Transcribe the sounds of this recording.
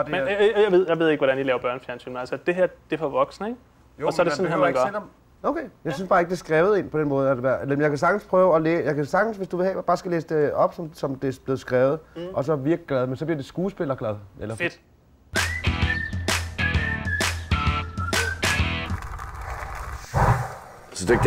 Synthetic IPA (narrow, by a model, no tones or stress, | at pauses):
dmejaʋe̝ð̞ˠjäʋe̝ð̞̰ˠe̝ɡ̥ʋɒɾ̥ænilɛːʊɐbɶɐnəfjæɐnsʰy̰ːnmenælsəd̥e̝ɦæɐd̥e̝fɒʋɒɡ̥sn̩əeɡ̥ | ɒsɒɐɾesɔnhḛmɡɶɐ | oʊkʰejɑ̈ɪsynsb̥ɑ̈ːe̝ɡ̥əd̥eɐsɡ̥ʁɛːʊð̩ˠe̝ːnpʰɒ̥enmɔ̽ːð̞̩ˠæde̥ælmnjäɪkʰæsɑ̈ɡ̥n̩spʰʁœʊɒleːjɑ̈ɪkʰæsɑ̈ɡ̥n̩sʋe̝sd̥uʋe̝hɛ̰ːb̥ɑ̈ːsɡ̥ælḛːsə̥d̥e̝ɒ̽b̥sɒ̽msɒ̽md̥e̝b̥le̝ːð̞̩ˠsɡ̥ʁɛːʊð̞̩ˠʔɒ̽sɒ̽ʋiɐɡ̥liɡ̥lɛðˠmensɒ̥̽liɐd̥e̝sɡ̥uːsb̥e̝lɐɡ̥lɛð̞̩ˠʔelɐfd̥ | sɒd̥e